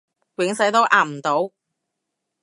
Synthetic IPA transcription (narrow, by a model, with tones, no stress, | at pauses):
wɪ˨˥ŋsɐ˨˥jt̪o˥wʔaː˨˩m̩˨˩t̪o˨˥w